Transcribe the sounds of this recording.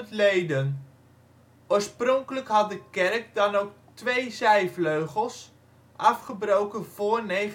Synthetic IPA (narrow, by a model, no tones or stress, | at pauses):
ətlejdən | ʊːɹsprɔŋkələkɦɑt̚dəkɛrk̚dɑnowk̚ | tʋejzɛjfløɥχəlˠs | ʔɑfχəbrowkənv̥ʊːɹnej